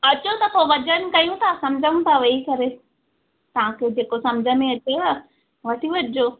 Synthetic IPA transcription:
ɐt͡ɕot̪ɐpoʋɐt͡ɕənkɐjũt̪ʰasɐmd͡ʑʱəũt̪ʰaʋɐikɐɾe | t̪ɐʋ̤ãkʰed͡ʑeːkosɐ̃md͡ʑʱəmẽɐt͡ɕeɐ | ʋɐʈʰiʋɐʈɪd͡ʑoː

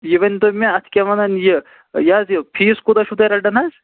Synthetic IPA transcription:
jiʋɐnʲd̪omʲeɐt̪ʰkʲɐʋɐnɐnjə | jaːzɨpʰiːskud̪ɐʃud̪ɐɾɐɖɐnɐzʲ

